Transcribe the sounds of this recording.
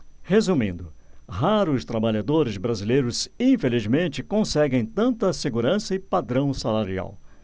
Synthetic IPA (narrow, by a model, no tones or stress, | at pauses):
hezumḭ̃nd̪ʊɦaɾʊst̪ɾabaʎad̪oɾɪzbɾazilejɾʊzĩfelizmẽnt͡ʃɪkõsɛɡẽj̃t̪ɐ̃nt̪ɐseɡuɾɐ̃sɐɪpad̪ɾɐ̃w̃salaɾia̰w